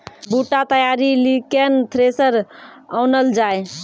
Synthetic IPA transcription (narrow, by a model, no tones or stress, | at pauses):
buʈat̪əjaɾilikent̪ʰɾesəɾawnəld͡ʒaj